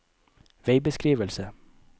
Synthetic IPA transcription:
ʋeɪbəskɾiːʋəlsə

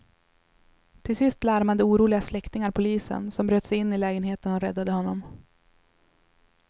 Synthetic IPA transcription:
t̪ʰɪlsɪst̪laɾmad̪əuːɾuːlɪɡaslɛkt̪ɪŋaɾpʰʊliːsə̰nsɔmbɾøːt̪sɛjɪnːɪlɛːɡənɦeːt̪ənɔɾɛd̪ːad̪əhɔnːɔm

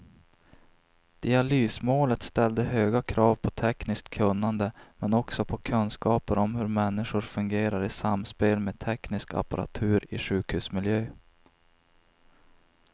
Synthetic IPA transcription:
d̪̥ɪalyːsmoːlət̪st̪ɛld̪əɦøːɡakʰɾɑːvpʰɔt̪ʰɛknɪskt̪kʰɵnːand̪əmɛnɔksɔpʰɔkʰɵnskɑːpəɾɔmhɵɾmɛnːɪʂʊɾfɵŋɡeːɾaɾɪsamːspeːlmeːt̪ʰɛknɪska̰pa̰ɾa̰t̪ʰʉ̟ːɾɪʂʉ̟ːkhʉ̟ːsmɪljøː

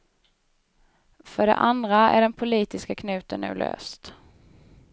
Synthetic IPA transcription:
fœɖɛ̰ʔand̪ɾaæ̰ɖɛnpʰʊliːt̪ɪskakʰnʉ̟ːt̪ənʉ̟ːlø̰ːst̪

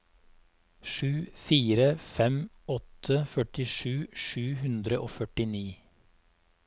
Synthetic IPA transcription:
ʃʉːfiːɾəfɛm | ɔt̪ʰəfœʈɪʃʉːʃʉːhʉnd̪ɾəʔoːfœʈɪniː

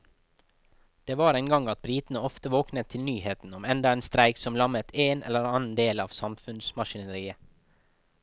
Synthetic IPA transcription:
d̪̥eːʋɑːɾæɪŋɡɑŋɑt̪̚bɾiːt̪n̩əɔft̪əʋoːknət̪ʰɪlnyːheːt̪n̩ɔmɛnd̪ɑeːnst̪ɾæɪksɔmlɑmət̪ʰeːnɛ̰ləɾɑːnn̩d̪eːlɑːʋsɑmfʉnsmɑʃɪnəɾiːə

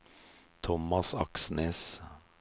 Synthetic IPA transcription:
t̪ʰɔmɑsɑ̰ksneːs

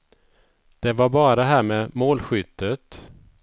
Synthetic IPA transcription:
d̪̥ɛvaɾbɑːɾaɦæːɾmɛːmoːlɧʏt̪ʰːət̪

